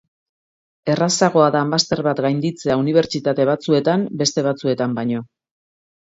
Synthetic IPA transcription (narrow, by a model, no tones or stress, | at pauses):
e̞rasaɣ̞o̞aðaːmast̪e̞ɾβat̪ɡajnd̪it͡se̞auniβ̞e̞ɾt͡ʃit̪at̪e̞β̞at͡sue̞t̪ambe̞st̪e̞β̞at͡sue̞t̪ambaɲo̞